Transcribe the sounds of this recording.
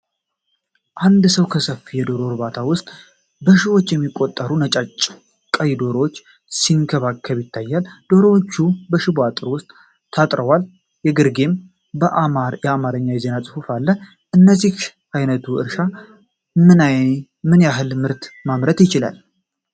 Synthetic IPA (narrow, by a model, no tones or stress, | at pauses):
ʔand̪səwkʰəsəfijɛd̪o̞ɾo̞ɾbat̪ʰawʊst̪ʼ | bəʃiβo̞t͡ʃːjɛmːikʼːo̞t̪ʼːəɾunət͡ʃʼat͡ʃʼː | kʼəjd̪o̞ɾowot͡ʃː | siŋkʰəβakʰːəβjɪt̪ʰːajːald̪̥o̞ɾowot͡ʃːubəʃɪbat̪ʼɨɾwʊst̪ʼ | t̪ʰat̪ʼɾəwal | jɛɡɨɾɡe̞m | bəʔjɛamaɾəɲːawjɛze̞nasʼɨfufalːə | ʔɨnːəzːih | ajnət̪ʰuʔɨ̰ɾʃa | mɨnaj | mɨnjaɦɨlmɨɾt̪mamɾət̪jɪt͡ʃɪla̰l